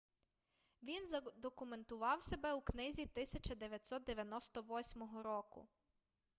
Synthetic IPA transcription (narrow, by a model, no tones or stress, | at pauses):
ʋʲinzɐd̪ɔkʊment̪ʊʋɑwsʲebɛuknɪzʲit̪ɪsʲɐt͡ʃɐd̪eʋʲjɐtʲsɔt̪̚d̪eʋʲjɐnɔst̪ɔʋɔsʲmɔɦɔɾɔkʊ̰